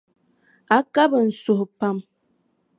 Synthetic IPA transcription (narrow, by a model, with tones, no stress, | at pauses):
a˨˦ka˦bə˨n̩˨so˨hpa˦˨m